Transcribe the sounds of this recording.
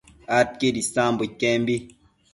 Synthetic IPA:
at̚kedisãmbukembi

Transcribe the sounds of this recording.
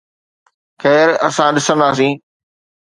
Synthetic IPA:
xɛːɾɐsãɗɪsə̃nd̪aːs̬ĩː

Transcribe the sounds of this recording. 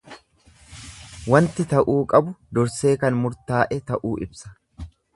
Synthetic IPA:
wɐnt̪ɪt̪ɐʔuːkʼɐbʊd̪ɔɾse̞ːkɐnmʊɾt̪aːʔɛt̪ɐʔuːɪbsɐ̥

